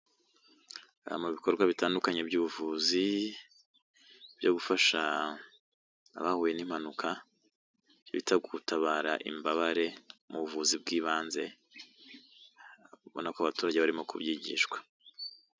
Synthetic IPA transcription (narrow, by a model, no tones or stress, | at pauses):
muβiko̞ɾɡwaβitaːndukaɲe̞bɟuːβuvuzi | b̥jo̞ɡufaʃa | βahuːje̞nim̥anukʰa | joβitʰaɡutʰaβaːɾaʔḭmbaβaɾe̞muβuvuzib̚ɡiːβaːnze̞ | βo̞̰nakoaβatuːɾaɟe̞βaɾimo̞kʰṵbjiːɟḭʃkwḁ